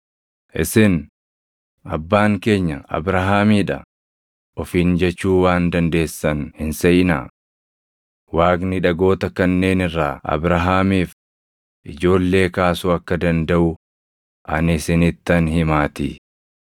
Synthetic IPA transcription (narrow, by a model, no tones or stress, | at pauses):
ʔɪ̰sɪn | ɐ̰bːaːŋke̞ːɲːɐɐ̰bɾɐɦaːmiːᶑɐ̰ | ʔɔfiːnd͡ʒɛt͡ʃːuːwaːnd̪ɐnd̪e̞ːsːɐnhɪnsɛʔɪna̰ː | waːknɪᶑɐɡo̞ːt̪ɐkɐnːe̞ːnɪrːa̰ːɐ̰bɾɐɦaːmiːf | ʔɪd͡ʒo̞ːlːe̞ːkaːsuɐkːɐd̪ɐnd̪ɐʔʊ | ʔɐnɪsɪnɪt̪ːɐnhɪmaːt̪ɪ̰